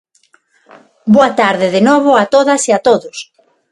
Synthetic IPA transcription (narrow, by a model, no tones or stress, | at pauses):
boat̪aɾðɪðenoβ̞oat̪oðɐsiat̪oðʊs